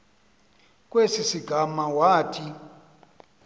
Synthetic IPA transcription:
k̬ʼwesisiɡ̥ʱamawaːtʰi

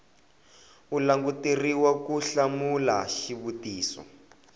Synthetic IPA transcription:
ulaŋɡutiriwakuɬamula̰ʃiβutiːsɔ̰

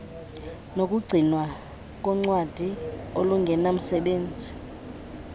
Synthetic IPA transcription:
nok̬ʼuɡ͡ǀʱinwa | k̬ʼɔŋ͡ǀwad̥ʱioluŋɡʱɛnam̩sɛɓeːnd͡zʱi

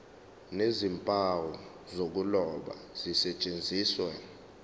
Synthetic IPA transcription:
nezimpʼawɔ | zok̬ulɔɓa̰z̥isɛt͡ʃʼend͡zʱiːswɛ

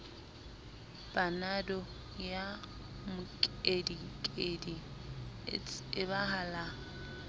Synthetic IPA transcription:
b̥anadɔ | ja | mʊkʼedikʼedi | ɪbaɦala

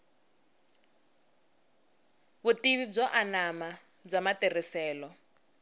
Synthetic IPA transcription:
βutiβib͡ʐɔʔanama | b͡ʐamatɛrisɛːlɔ

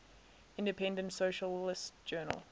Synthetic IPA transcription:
ɪ̃ndɪpʰɛ̃ndə̃ntsoʊʃəlɪstd͡ʒ̥ɜːnə̰lˠ

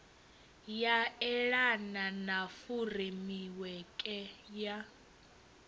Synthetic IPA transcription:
jaɛɺananafuremiwɛkʼɛja

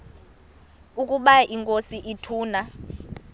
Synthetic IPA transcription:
ukʼuɓaʔiŋkʼosiʔitʰuːna

